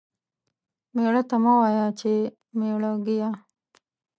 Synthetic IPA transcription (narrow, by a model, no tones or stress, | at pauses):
meːɽat̪ɐmawaːjat͡ʃe | meːɽaɡija